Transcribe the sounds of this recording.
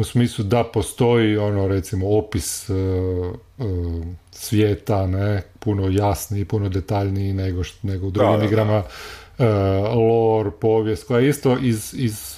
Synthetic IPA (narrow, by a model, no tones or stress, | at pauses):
usmiːslˠud̪apost̪o̞jionoɾet̪simoopisə | əsʋjeːt̪anepunojasniːpuno̞d̪et̪aʎniineɡoʃneɡoud̪ɾuɡɡimiɡɾamaəlˠoɾpoːʋjest̪kojeist̪o̞ʔiziz